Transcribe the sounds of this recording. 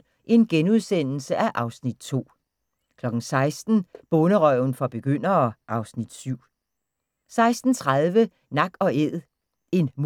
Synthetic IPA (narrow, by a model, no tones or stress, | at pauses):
ʔe̝nɡ̥enuð̞ˠsen̰l̩səʔæʔɑ̈ʊsnid̥t͡sʰo̝̰ː | kʰlɒ̽ɡ̥n̩sɑ̈ɪsd̥n̩b̥ɔnəʁɒ̰ʊn̩fɒ̽b̥e̝ɡ̥øn̰ɐʔɑ̈ʊsnid̥syʊ̰ | sɑ̈ɪsd̥n̩t͡sʰʁaðˠʋə | nɑ̈ɡ̥ɒ̽eð̰ˠ | e̝nm